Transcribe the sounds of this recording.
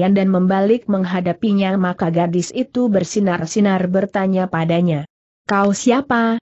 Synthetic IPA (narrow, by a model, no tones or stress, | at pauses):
andanməmbalɪk̚məŋɦadapiɲamakaɡadɪsit̪ubərsinarsinarbərt̪aɲapadaɲa | kaosiapa